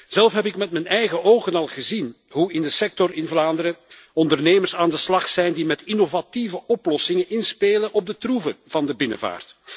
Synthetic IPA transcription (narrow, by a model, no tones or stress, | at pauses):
z̥ɛlˠfɦɛpɪkmɛtmɛnɛjɣəʔoːɣənɑlˠɣəzin | ɦuɪndəsɛk̚tɔrɪnvlaːndəɾə | ɔndərneːmərsaːndəslɑχsɛjndimɛtɪnovativəʔɔplɔsɪŋənʔɪnspeːlənʔɔb̚dətruvəv̥ɑndəbɪnə̰va̰ːrt